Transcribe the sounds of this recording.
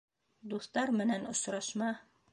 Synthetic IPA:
d̪uθt̪ɑɾmɘ̆nænŏsɾɑʃmɑ

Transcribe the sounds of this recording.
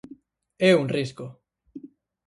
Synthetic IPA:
ɛuŋrisko

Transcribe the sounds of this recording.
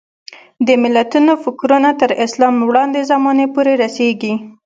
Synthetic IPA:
d̪əmɪlːat̪unofɪkɾunat̪əɾɪslɑmwɽɑnd̪ezamɑnepoɾeɾaseɡi

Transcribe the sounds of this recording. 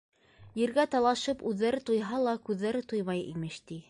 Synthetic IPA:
jɘ̆ɾɡæt̪ɑlˠɑʃɤpʉðːæɾɘt̪ujɦɑlˠɑkʉðːæɾɘt̪ujmɑjḭmɘʃt̪i

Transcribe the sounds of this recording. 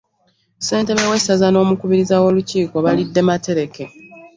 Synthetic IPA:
se̞ːnte̞βewe̞sazano̞ːmukuβiɾizawo̞luciːko̞βalidːe̞mate̞ɾe̞ke̞

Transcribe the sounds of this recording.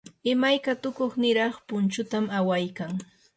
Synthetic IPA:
ɪmajkat̪ʊkoχnɪɾɑχpʊnt͡ʃʊt̪amawajkaŋ

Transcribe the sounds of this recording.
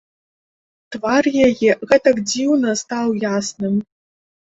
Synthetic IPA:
tʰvarjaɡʲɪɣɐtʰɐkdiwnɐstʰawjaːsnɨm

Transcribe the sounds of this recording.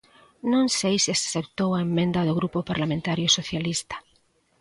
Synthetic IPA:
nõŋsejsiakθep̚t̪owaemːẽnd̪ɐðoɣ̞ɾupʊpaɾlamẽnt̪aɾjʊsoθjalist̪ḁ

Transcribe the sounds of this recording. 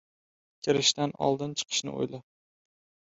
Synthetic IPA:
kʲʰɪɾɪʃt̪anɒ̰lˠd̪ɪnt͡ʃʰɨ̥qʰɨ̥ʃnɪ̰o̰jla

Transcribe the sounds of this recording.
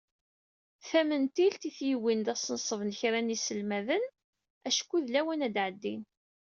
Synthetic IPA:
θæmənt̪ilt̪iθjiwind̪æsˤənsˤəvnəçɾænisəlmæðən | æʃkːuðlæwənæd̪ʕəd̪ːin

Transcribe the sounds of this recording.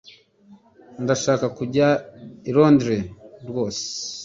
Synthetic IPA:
ndaʃaːkakuɟaiɾo̞ːndiɾeɾwo̞ːse̥

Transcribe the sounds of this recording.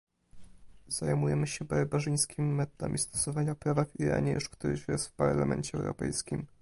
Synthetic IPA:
z̥ajmujɛmɘɕɛbaɾbaʐɘj̃skʲimimɛt̪ɔd̪amʲʔʲist̪ɔ̥sɔvaɲapɾavaviɾa̰ɲɛjɛʂkt̪uɾɘ̰ɕjɛst̪fpaɾlamʔɛɲt͡ɕɛɛ̰wɾɔpɛjskʲim

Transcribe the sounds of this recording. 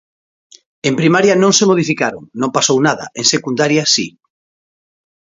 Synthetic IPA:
empɾimaɾjanõŋsemoð̞ifikaɾoŋnõmpasownaðɐ̰ʔeŋsekund̪aɾjasḭ

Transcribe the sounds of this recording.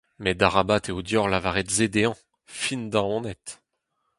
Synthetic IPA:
mɛd̪aʁabat̪eod̪jɔʁlavaʁet̪zed̪eɑ̃ | find̪ɑ̃ɔ̃nɛt̪

